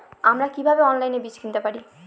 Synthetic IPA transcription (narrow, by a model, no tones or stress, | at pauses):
amɾakibʱabeɔnlajnebit͡ɕkʰint̪epaɽi